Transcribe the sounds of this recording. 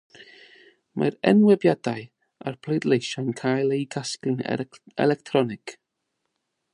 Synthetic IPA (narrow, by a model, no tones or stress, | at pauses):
mʔa̰ɾɛ̰nwɛbjad̥aɨ | a̰rpʰl̥ejdlejʃankʰajlˠejɡasklɪn | ɛ̰lɛk̚tʰrɔnɪk